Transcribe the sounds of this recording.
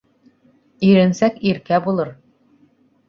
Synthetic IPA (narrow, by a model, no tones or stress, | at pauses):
iɾɘ̆nsækiɾkæbulˠɤɾ